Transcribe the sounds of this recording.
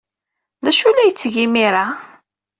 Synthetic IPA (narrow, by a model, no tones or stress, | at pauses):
ðæʃulːæjət͡sːʝimiɾa